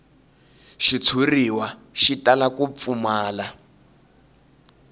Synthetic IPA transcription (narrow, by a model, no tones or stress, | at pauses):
ʃit͡sʰuriwaʃitʼalakup̪fumaːla